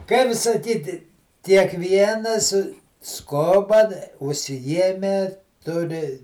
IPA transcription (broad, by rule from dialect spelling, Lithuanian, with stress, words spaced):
ˈkɐɪp sɐˈkʲiːtʲɪ kʲiɛkˈʋʲiɛnɐs ˈskoːbɐ ʊʃʲsʲɪˈjiɛmʲɛ ˈtʊrʲɪ